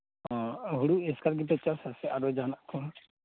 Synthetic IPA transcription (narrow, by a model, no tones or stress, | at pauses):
ɔ̃ɦuɽuɛskaɾɡip̬ɛt͡ʃasasɛaɾɔd͡ʒanaʔkʰɔn